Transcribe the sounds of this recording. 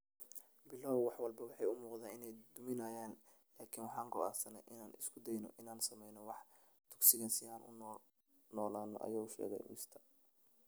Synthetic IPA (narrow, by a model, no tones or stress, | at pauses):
bɪlɐwwɑħwɑlbɐwɑħɑjʊmuːqðaːnɪnɛjd̪ʊmɪnaːjaːn | laːkʰinwɑħɑːŋkʰʊa̰ːsɐnɛʔɪnaːnɪskʰʊd̪ɛjnɔ̰ʔɪnaːnsɐmɛjnɔwɑħ | t̪ʰʊ̥ɡsɪɣɐnsɪaːnʔʊ̰nː | nɔːlaːnɔ̰ʔɐ̰jɔːwʃɛ̰ːɣɛ̰j̰mɪst̪ʰɐ̥